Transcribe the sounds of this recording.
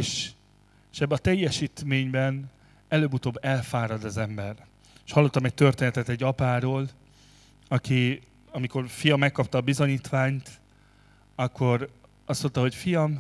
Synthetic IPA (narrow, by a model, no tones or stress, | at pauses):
eʃ | ʃɛbːɛnɒt̪ɛjːɛʃiːt̪meːɲbɛn | ɛløːbut̪oːbːɛlfaːɾɒd̪ɒzɛmbɛr | eʃhɒlːo̞t̪ːɒmɛc̚t̪ø̞rt̪eːnɛt̪ɛt̪ɛɟːɒpaːɾoːl | ɒki | ɒmiko̞rfijɒmːɛkːɒp̚t̪ɒːbizo̞ɲiːt̪ʋaːɲt̪ | ɒkːo̞ɾ | ɒsːo̞nt̪ɒɦo̞cfijɒm